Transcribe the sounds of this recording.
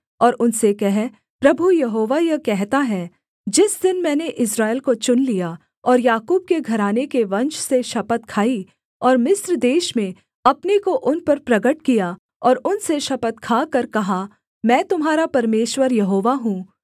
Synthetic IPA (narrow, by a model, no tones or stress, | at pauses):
ɔːɾʊnsekɛɦ | pɾɐbʱujɐɦoːʋajɐkɛɦt̪aɦɛː | d͡ʒɪsd̪ɪnmɛ̃ːneʔɪsɾaːelkot͡ʃʊnlija | ɔːɾjaːkuːb̚keɡʱɐɾaːnekeʋɐ̃nʃseʃɐpət̪kʰaːi | ɔːɾmɪsɾəd̪eːʃmẽ | ɐpnekoʔʊnpɐɾpɾɐɡəʈkija | ɔːɾʊnseʃɐpət̪kʰaːkɐɾkɐɦa | mɛ̃ːt̪ʊmɦaːɾapɐɾmeːʃwəɾjɐɦoːʋaɦũː